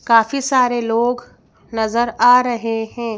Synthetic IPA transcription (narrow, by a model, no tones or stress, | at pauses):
kaːfisaːɾeloːɡ | nɐzəɾaːɾɐɦehɛ̃ː